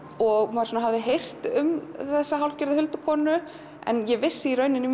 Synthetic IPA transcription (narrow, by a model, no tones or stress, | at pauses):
ɔɣmaɾ̥sɔːnaɦavðɪɦejr̥t̪ʏmθɛsːaɦawlcɪɾðɪhʏlt̪ʏkʰɔːnʏ | ɛ̰njɛvɪ̥sːɪiɾœːɥnɪnʏ